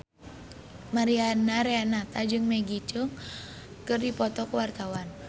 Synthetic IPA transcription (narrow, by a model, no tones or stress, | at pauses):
maɾianaɾeanat̪ad͡ʒɨŋmɛɡit͡ʃuŋ | kɨrdipɔt̪ɔkuwart̪awan